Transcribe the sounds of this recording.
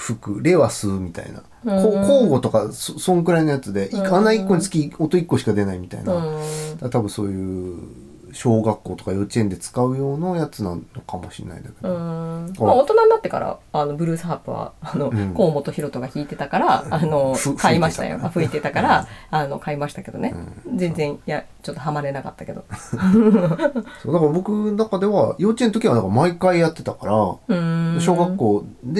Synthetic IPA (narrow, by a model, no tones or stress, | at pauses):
ɸɯ̟kɯ̟ɾe̞βasɨːmʲit̪a̰ḭna̰ | kokoːɡo̞t̪o̞kasosõ̞ŋkɯɾainojat͡sɨd̪e̞ʔianːaikːo̞ɲ̟it͡sɨ̥kʲiot̪oikːo̞ɕi̥kad̪e̞naimʲit̪a̰ḭnãdd̪̥at̪abɯ̟̃so̞ːjɯ̟ | ɕo̞ːɡakːo̞ːt̪o̞kajo̞t͡ɕiẽnd̪e̞t͡sɨ̥kaɯ̟jo̞ːnojat͡sɨnãnnːo̞kʰamo̞ɕḭnːa̰ḭnd̪aked̪õaot̪o̞nannat̪ːe̞ka̰ɾa̰ano̞bɯ̟ɾɯ̟ːsɨɦapːɯ̟βa̰anõ̞ko̞ːmo̞t̪o̞çiɾo̞t̪o̞ɡaçʲiːt̪e̞t̪akaɾaːno̞kaimaɕi̥t̪a̰jo̰aɸɯ̟it̪e̞t̪akaɾaano̞̰kʰaimaɕi̥t̪ake̞d̪o̞nẽ̞̰zẽ̞nd͡zẽ̞ɰ̃ja | t͡ɕo̞t̪ːo̞ɦamaɾe̞naka̰t̪ːake̞d̪o̞̰ | soːd̪akɾabo̞kɯ̟nakad̪e̞βa̰joːt͡ɕiẽnot̪oiβad̪aŋkmaikaijat̪ːe̞t̪akaɾaɯ̃mɕo̞ːɡakːo̞ːd̪e